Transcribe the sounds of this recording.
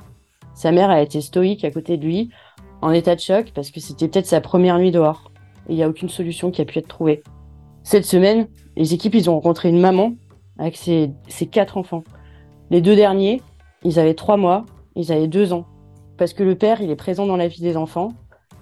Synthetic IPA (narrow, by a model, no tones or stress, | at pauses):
samɛʁaet̪est̪ɔikakot̪ed̪əlɥi | ɑ̃net̪ad̪əʃɔkpaʁsə̥kəset̪ɛpø̥t̪ɛt̪χsapχəmjɛʁnɥid̪əɔʁ | ḛiljaokʲynsɔlysjɔ̃kʲiapyɛt̪χət̪χuve | sɛt̪səmɛn | lʔezekʲipilzɔ̃ʁɑ̃kɔ̃t̪χeynmamɑ̃ | avɛksesekat̪χɑ̃fɑ̃ | led̪ød̪ɛʁnje | ilzavɛt̪χwamwa | ilzavɛd̪øzɑ̃ | paʁsə̥kələpɛʁilɛpχezɑ̃d̪ɑ̃lavid̪ezɑ̃fɑ̃